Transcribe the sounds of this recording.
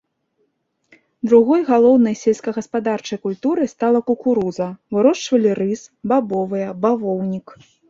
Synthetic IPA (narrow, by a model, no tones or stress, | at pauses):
d̪ɾuɣɔjɣalˠɔwnɐjsʲelʲskɐɣɐspad̪art͡ʂɐjkulʲt̪uɾɨst̪alˠɐkukuɾuzɐvɨɾɔʂt͡ʂvɐlʲiɾɨsbabɔvɨjɐbavɔwnʲik